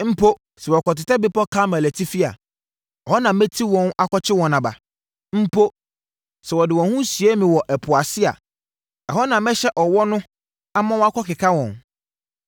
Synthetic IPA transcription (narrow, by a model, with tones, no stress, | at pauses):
m̩˦pʰo˦ | sɛ˨wɔ˨kɔ˨tɪ˨ta˦bɪ˦pɔ˦kʰa˦mɛ˨lɛ˨tʰi˦fi˦a̰˨ | a˨hɔ˦nã˨mɛ˦tʰi˦wɔ̃˦na˦kʰɔ˦t͡ɕʰɪ˦wɔ̃˨nã˨ba̰˨ | m̩˦pʰo˦ | sɛ˨wɔ˨dɪ˨wɔ̃˨hũ˦sɥe˦mĩ˨wɔ˨ʔɛ˨pʰʊ˨a˨sɪ˦a̰˨ | a˨hɔ˦nã˨mɛ˦ɕɛ˦ʔɔ˨wɔ˦nʊ̃˦ | a˦mã˦wɔ˦a˦kʰɔ˦kɪ˨kʰa˦wɔ̃˨n